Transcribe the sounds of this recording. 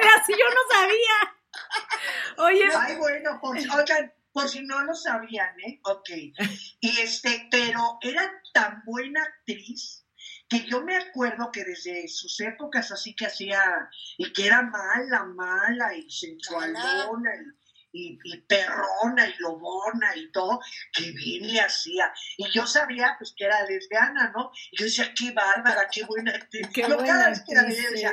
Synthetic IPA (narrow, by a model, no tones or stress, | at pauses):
asiʝonosaβia | ojeajβwe̞no̞poɾsojkan | po̞ɾsino̞lo̞saβ̞iane̞oke̞jiest̪epe̞ɾo̞e̞ɾat̪ambwe̞naːk̚t̪ɾis | ke̞ʝo̞me̞akwe̞ɾðo̞ke̞ðe̞zðe̞suse̞po̞kasasikeasiaikee̞ɾamalamalaisenswalonai | iːpe̞ronailo̞monait̪o̞ðokeβjenleasiaiʝo̞saβiapweskeeɾaðezðeanano̞iʝo̞ðe̞s̬iakeβaɾβaɾake̞βwenak̚t̪ɾisokaaest̪eɾaβeesia